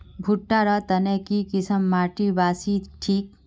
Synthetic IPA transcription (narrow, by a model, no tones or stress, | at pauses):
bʱuʈːaɾɐt̪ɐnekikɪsəmːaːʈibaːsiʈʰiːk̚